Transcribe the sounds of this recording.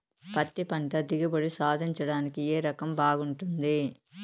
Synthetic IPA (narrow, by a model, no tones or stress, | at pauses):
pɐt̪ːipɐɳɖɐd̪ɪɣɯbɐɽɯsaːd̪ɪɲt͡ʃːɐɽaːnɯkːɯeːɾɐkːɐmbaːɣɯɳʈːɯnd̪ɯ